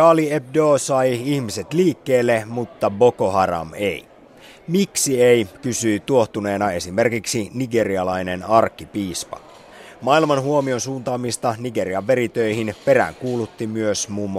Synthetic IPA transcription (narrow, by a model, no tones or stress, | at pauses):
ɑːlieb̚doːsɑjihmiset̪liːkːe̞ːlːemut̪ːɑbo̞ko̞ɦɑɾɑ̰me̞̰i | miksieikysyit̪uo̞ht̪une̞ːnɑe̞sime̞rkiksiniɡe̞ɾiɑlɑine̞nɑrkːipiːspɑ̰ | mɑilmɑnɦuomio̞nsuːnt̪ɑːmist̪ɑniɡe̞ɾiɑʋːe̞ɾit̪øihinpe̞ɾæ̰ŋkuːlut̪ːimyøsmuːmː